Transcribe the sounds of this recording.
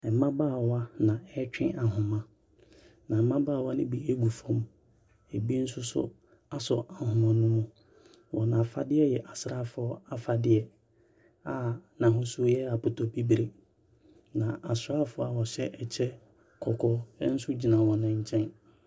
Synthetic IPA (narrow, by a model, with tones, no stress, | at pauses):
ɛ˨˦mã˦baː˦˨wa˦nã˨ɛ˦t͡ɕᶣɪ̃˦a˨ɦʊ̃˨mã˦ | nã˨m̩˦mã˦baː˦˨wa˦nɪ̃˦bi˨e˦ɡu˨fɔ̃˦m | e˨bi˦n̩˦sʊ˦sʊ̰˦ | a˦sɔ˨ʔa˨hʊ̃˨mã˨˦nʊ̃˦mʊ̃˦ | wɔ̰˨nã˨fa˦dɪ˦ɛ˦jɛ˨ʔa˨sɪ˨ɾaː˦˨fʊ˨˦ɔ˦a˨fa˨dɪ˦ɛ˦ | a˨nã˨ɦʊ̃˦sʊ˦jɛ˦a˨pʊ˨tʰɔ˨bi˦bɾe˨ | nã˨ʔa˨sʊ˨ɾaː˦fʊ˦a˨wɔ˨ɕɛ˦ʔɛ˨t͡ɕʰɛ˦ | kʰɔ˨kʰɔ˦n̩˦sʊ˦d͡ʑi˨nã˨wɔ̃˨nɪ̃˨ɲ̩˨t͡ɕʰɛ̃˦n